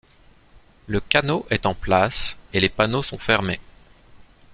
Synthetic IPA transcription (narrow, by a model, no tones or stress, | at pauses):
ləkʲanoʔɛt̪ɑ̃plaselepanosɔ̃fɛʁme